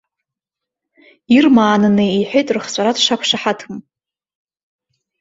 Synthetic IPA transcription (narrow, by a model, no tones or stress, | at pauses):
irmaːnɨnɨiħʷᶣejtʼrɨχt͡sʷʼaɾadʰʂakʷʰʂaħatʰɨm